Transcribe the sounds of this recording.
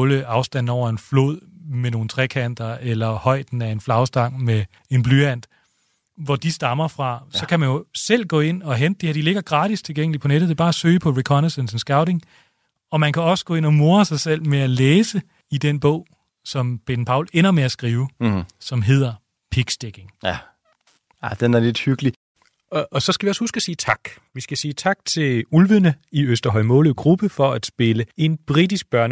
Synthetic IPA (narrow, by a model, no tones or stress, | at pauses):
ləɑ̈ʊsd̥æn̰ɒʊ̰ɐe̝nflo̝̰ð̰ˠmeno̝ːn̩t͡sʰʁɛkʰæn̰d̥ɐelɐhɒ̽ɪ̰d̥n̩æe̝nflɑ̈ʊsd̥ɑ̈ŋ̰me | e̝nb̥lyæn̰d̥ | ʋɒd̥isd̥ɑ̈mɐfʁɑ̈sɒ̽kʰæmænjo̝sel̰ɡ̥ɔ̰̽ːe̝n̰ɒ̽ɦemd̥̚d̥eheɐd̥ile̝ɡ̥ɐɡ̥ʁɑ̰̈ːd̥ist͡sʰe̝lɡ̥eŋ̰əlipʰɒneɾ̥ð̩̥ˠeb̥ɑːæsø̰ːɪpʰɒ̽ʁikʰɒnesensn̩sɡ̥ɑ̈ʊɾe̝ŋ | ɒ̽mænkʰæɒ̽sə̥ɡ̥ɔ̰ːe̝nɒmo̝ːɐsɑ̈ɪsel̰meæleːsə | id̥enb̥ɔ̽ʊ̰ | sɒ̽mb̥ed̥n̩pʰɑ̈ʊlen̰ɐmeæsɡ̥ʁiːʊsɒ̽mɦe̝ð̰ˠɐ | pʰiɡ̥sd̥eɡ̥e̝ŋ | æd̥enæɐled̥hyɡ̥əli | ɒ̽sɒ̽sɡ̥æʋiɒ̽shusɡ̥æsiːt͡sʰɑ̈ɡ̥ | ʋisɡ̥æsiːt͡sʰɑ̈ɡ̥̚t͡sʰe̝lulʋənəiøsd̥ɐɦɒ̽ɪmɔ̽ːləð̩ˠɡ̥ʁub̥əfɒ̽æd̥sb̥e̝ləe̝nb̥ʁid̥isɡ̥̚b̥ɶɐnə